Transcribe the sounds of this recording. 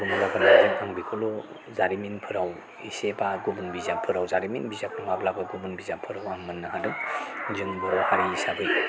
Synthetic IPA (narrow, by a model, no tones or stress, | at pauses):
ɡumalabanazɯŋaŋbikʰɔlɔ | zaɾiminpʰɯɾaw | isebaɡubunbizapʰɯɾawzaɾiminbizak̚nɯmablabaɡubɯnbizapʰɯɾawaŋmɯnːɯɦadɯŋzɯŋbɯɾhaɾiisadɯj